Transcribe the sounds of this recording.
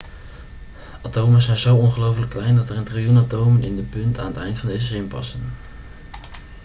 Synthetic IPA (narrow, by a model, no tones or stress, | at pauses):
atowmənzɛjnzowɔnχəlowfələkːlɛjndɑtərəntrijunatowmənɪndəpɵnta̰ːnətɛjntfɑndejzəzɪmpɑ̰sən